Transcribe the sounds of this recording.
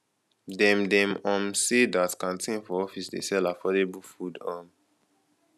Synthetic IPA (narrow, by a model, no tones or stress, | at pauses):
dɛ̃mdɛ̃mɔ̃msedatkãntʰĩnfɔɔfisdḛsɛlafɔdebulfudɔ̃m